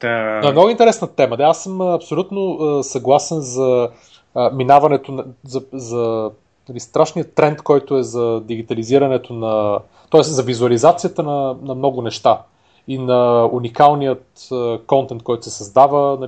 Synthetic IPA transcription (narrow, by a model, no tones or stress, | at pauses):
anoɛmnɔɡʊint̪ɛɾɛsnət̪ɛməd̪aasːɤmɐpsolʲut̪noəsɐɡlˠasɛnzɐ | minavɐnɛt̪ʊnzɐzɐ | nɐlist̪ɾaʃnijət̪ːɾɛnt̪kɔjt̪ʊɛzɐd̪iɡ̟it̪ɐliziɾɐnɛt̪onɐ | t̪ɔɛszɐvizuɐlizat̪sijət̪ənɐnɐmnɔɡʊnɛʃt̪a | inɐunikalˠnijət̪əkɔnt̪ɛnt̪̚kɔjt̪ʊsɛsɐzd̪avənɐ